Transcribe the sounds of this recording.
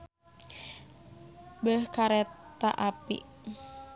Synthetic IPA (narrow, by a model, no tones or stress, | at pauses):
bəhkaɾɛt̪a̰ʔapḭ